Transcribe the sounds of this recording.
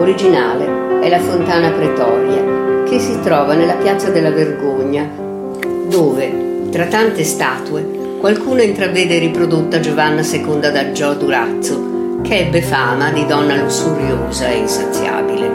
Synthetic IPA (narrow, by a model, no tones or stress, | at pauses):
oɾid͡ʒinaːleɛlafont̪aːnapɾet̪ɔɾja̰kʰesːit̪ɾɔːvanelːapjat̪sːad̪elːaverɡoɲːa | d̪oːve | t̪ɾat̪ːant̪est̪aːt̪ue | kwalkuːnoint̪ɾavːɛːd̪eɾipɾod̪ot̪ːad͡ʒovanːasekond̪ad̪ad͡ʒɔd̪uɾat̪sːo | kʰeɛbːefaːmad̪id̪ɔnːalusuɾjoːzaeinsat̪sːja̰ːbilḛ